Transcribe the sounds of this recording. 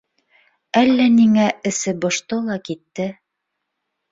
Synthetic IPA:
ælːæniŋæɘ̆sɘbŏʃt̪ɤlˠɑkit̪ːɘ

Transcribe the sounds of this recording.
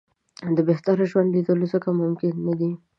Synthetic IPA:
d̪əbeht̪aɾʒwand̪lid̪əlozəkamʊmkɪnːad̪i

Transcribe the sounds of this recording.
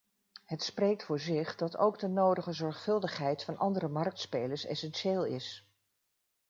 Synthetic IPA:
ɦətsprejk̚tfʊːɹzɪχdɑto̰wɡdənowdəχəzɔɹχfɵlˠdəχɦɛjtfɑnʔɑndərəmɑrk̚tspejləɹsɛ̰sɛnʃeːlˠɪs

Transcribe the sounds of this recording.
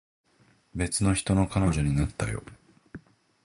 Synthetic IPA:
be̞t͡sɨno̞çi̥t̪o̞no̞kanoʑoɲ̟inat̪ːajo̞̰

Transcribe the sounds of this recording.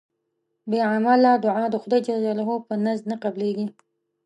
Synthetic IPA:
beʕamalːɑd̪ʊʕɑd̪əxʊd̪ɑjt͡ʃad͡ʒalaɦopənaznaqableɡi

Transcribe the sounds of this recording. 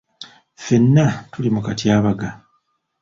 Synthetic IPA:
fe̞nːatulimukatjaːβaɡa

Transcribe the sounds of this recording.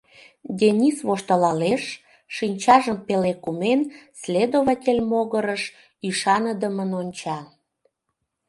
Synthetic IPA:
d̪ʲenʲisβoʃt̪əlɑleʃː | inʲt͡ɕɑʒəmpelekumenslʲed̪oβɑtʲelʲmoɣəɾəʃ | yʃɑnəd̪əmənonʲt͡ɕɑ

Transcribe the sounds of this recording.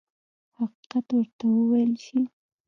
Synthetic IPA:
haqi̥qat̪wəɾt̪awəwajlʃi

